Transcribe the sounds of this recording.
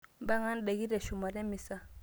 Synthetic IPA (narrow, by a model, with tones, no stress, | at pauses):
mba˦ŋa˦n˦ɗɛ˨ɡi˦ɾɛ˨ʃu˨ma˨ɾɛ˦mi˨sa˨